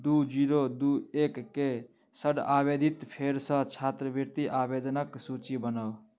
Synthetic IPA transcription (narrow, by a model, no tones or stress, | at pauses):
d̪ud͡ʒiːɾod̪ueːkːe | səɽaːbed̪ʱit̪pʰeɾsə̃t͡ʃʰaːt̪ɾəbəɾt̪iʔaːbeːd̪ənəksut͡ʃibənəw